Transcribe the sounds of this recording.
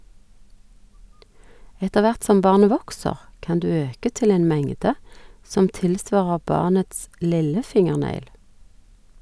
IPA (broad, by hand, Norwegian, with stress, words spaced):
ˈɛtə ˈʋæʁt ˈsɔm ˈbɑʁnə ˈʋɔksəʁ ˈkɑn ˈdʉː ˈøːkə ˈtɪl ˈeːn ˈmɛŋdə ˈsɔm ˈtɪlˌsʋɑːʁə ˈbɑːʁnəts ˈlɪləˌfɪŋəʁˌnæɪl